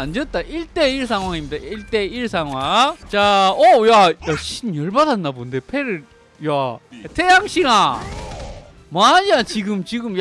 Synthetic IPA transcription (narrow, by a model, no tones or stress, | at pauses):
and͡ʑʌt̚t͈aʔiɭt͈e̞iɭs̬ʰaŋwaŋimɲidaiɭt͈e̞iɭsʰaŋɦwat͡ɕaojajaɕʰinjʌɭbadanːabonde̞pʰeɾɯ | jatʰejaŋɕʰiɾa | maɲat͡ɕiɡɯmt͡ɕiɡɯmj